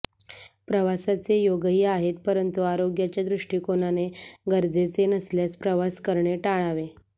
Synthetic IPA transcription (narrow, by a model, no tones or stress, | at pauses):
pɾəʋasat͡sejoɡɦiaɦet̪̚pəɾənt̪uaɾoɡjat͡ɕjad̪ɾuʂʈiːkonaneɡəɾd͡zet͡senəsljaspɾəʋaskəɾɳeʈaɭ̃aʋe